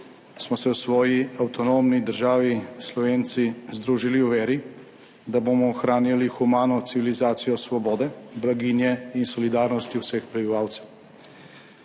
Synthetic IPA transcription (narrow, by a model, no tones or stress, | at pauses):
smɔsɛwsʋɔːjiawt̪ɔnomnid̪əɾʒaːʋislɔʋeːnt̪sizd̪ɾuːʒiliuʋeːɾi | d̪aboːmɔːxɾaːnjalixumaːnɔt̪siʋilizaːt̪sijɔsʋɔbɔːd̪ɛblaɡiːnjɛinsɔlid̪aːɾnɔst̪iwsɛxpɾɛbiʋaːwt̪sɛw